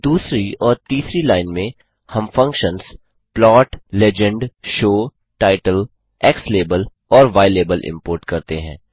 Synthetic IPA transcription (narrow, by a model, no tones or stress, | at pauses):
d̪uːsɾiɔːɾt̪iːsɾilaːɪnmẽ | hɐmfɐ̃ŋkʃə̃nz | plɔːʈlɛd͡ʒə̃ɳɖʃoː | ʈaːɪʈəl | ɛːksleːbəl | ɔːɾʋaːɪleːbəlʔɪ̰̃mpoːɾʈkɐɾt̪eɦɛ̃ː